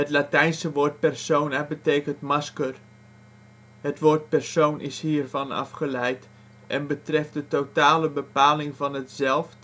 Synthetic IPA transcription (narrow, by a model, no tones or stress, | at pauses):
ɦətlatɛjnsəʋoːɹt̚pɛrsownɛbəteːkəntmɑskər | hətʋoːɹt̚pɛrsownʔɪ̰shiːrvɑnɑ̰fχəlɛjt | ʔɛnbətrɛft̚dətowtaːləbəpaːlɪŋvɑnətzɛlˠft